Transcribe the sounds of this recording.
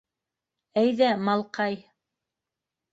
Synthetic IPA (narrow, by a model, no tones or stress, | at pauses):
æjðæmɑlˠqɑj